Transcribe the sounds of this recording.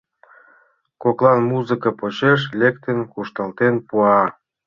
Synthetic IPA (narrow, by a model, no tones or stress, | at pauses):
koklɑnmuzɨkɑpot͡ɕeʃ̬lʲekt̪ənkuʃt̪ə̆lt̪enpuɑ